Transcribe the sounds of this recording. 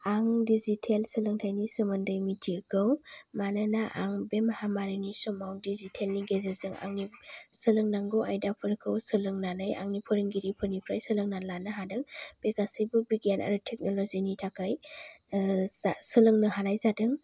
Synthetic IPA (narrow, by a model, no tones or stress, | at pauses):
aŋdizitʰelsɯlɯŋtʰajnisɯmɯndɯjmitʰikʰɯwmananaʔa̰ŋbemhamaɾinisɔmawdizitʰelniɡezezɯŋa̰ŋnisɯlɯŋnaŋɡɯwajdapʰɯɾɯkʰɯwsɯlɯŋnanɯja̰ŋnipʰɯɾɯŋɡiɾipʰɯɾnipʰɾajsɯlɯŋnanlanɯɦadɯŋb̥ekasijbɯbɾiɡana̰ɾɯtʰek̚nolɔzinitʰakaj | sɯlɯŋnɯhanajzadɯŋ